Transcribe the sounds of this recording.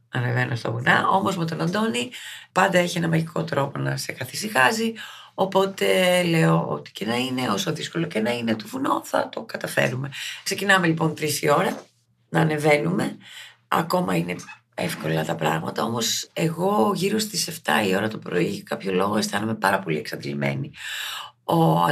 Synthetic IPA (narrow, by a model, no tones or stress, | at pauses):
ɐne̞venust̪o̰vunɐʔo̞mo̞zmet̪onɐnd̪o̞nipɐnd̪ɐeçienɐmɐʝikʰo̞t̪ɾo̞po̞nɐse̞kɐθisixɐzi | o̞po̞t̪e̞leoo̰t̪i̥cenɐine̞o̞so̞ðisko̞locenɐinet̪ovunoθɐ̰t̪o̞kɐt̪ɐfe̞̰ɾume̞kse̞cinɐme̞lipo̞nt̪ɾisio̞ɾɐ | nɐːne̞ve̞nume̞ | ɐ̰ko̞mɐine̞ | efko̞lɐt̪ɐpɾɐ̰ɣmɐt̪ɐo̞mo̞seɣo̞ʝiɾo̞st̪ise̞ft̪ɐio̞ɾɐt̪o̞pɾo̞̰iʝɐkɐpço̞lo̞ɣo̞est̪ɐnume̞pɐɾɐpo̞lie̞ksɐd̪ilime̞̰ni | o̰